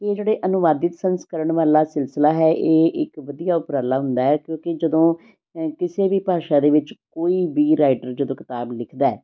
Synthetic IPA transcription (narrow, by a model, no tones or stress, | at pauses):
eːd͡ʒeːɽeːʔənʊʋaːd̪ɪt̪sənskəɾəɳʋaːlaːsɪlsəlaːɦɛːʔeːʔɪkʋəd̪ijaːʊpɾaːlaːɦʊ̃nd̪aːɛːkjõːkɪd͡ʒəd̪õː | kɪseːbiːpaːʃãːd̪eːʋɪt͡ʃkoːiːbiːɾaːɪʈəɾd͡ʒəd̪õːkɪ̥t̪aːblɪkʰd̪aɛː